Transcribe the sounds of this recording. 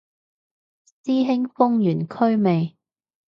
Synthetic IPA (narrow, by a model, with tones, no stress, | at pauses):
siː˥ɦɪ˥ŋfʊ˥ŋjyː˨˩nkʰɵ˥ɥme˨j